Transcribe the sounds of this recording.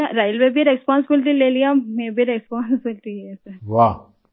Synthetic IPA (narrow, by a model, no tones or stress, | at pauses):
ɾaːɪlʋebʱiɾɛspɔːnsɪbɪlɪʈ̬ileːlijameːbʱiɾɛspɔːnsɪbɪlʈiɛsɐʋaː